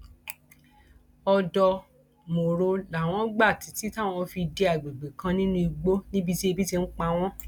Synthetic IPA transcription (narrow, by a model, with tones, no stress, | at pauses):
ɔ˧dɔ˧ | mo˨ɾo˧la˨w̃ɔ̃˦ɡ͡ba˦˨ti˨˦ti˨˦ta˦˨w̃ɔ̃˧fi˧de˧˦a˨ɡ͡be˨ɡ͡be˨kã˧nĩ˦nũ˦˧i˧ɡ͡bo˦nĩ˦bi˧ti˦e˦˧bi˦ti˧ŋ̩˦k͡pa˧w̃ɔ̃˦